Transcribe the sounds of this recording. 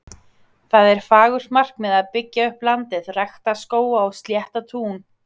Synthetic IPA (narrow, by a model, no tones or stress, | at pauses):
θaðɛɾ̥faːɣʏɾ̥mar̥kmɛðaðpɪcːaʏhplant̪ɪðraxt̪askoːwaːwst̪ljɛht̪at̪ʰuːn